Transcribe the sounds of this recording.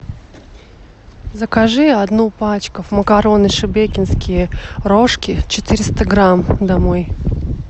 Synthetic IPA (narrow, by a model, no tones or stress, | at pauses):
zəkaʐɨɐd̪nupat͡ɕkəvməkɐɾo̞nɨʂɨbekʲɪnskʲɪjəɾoʂkʲɪt͡ɕɪt̪ɨɾʲɪst̪əɡɾamd̪ɐmoj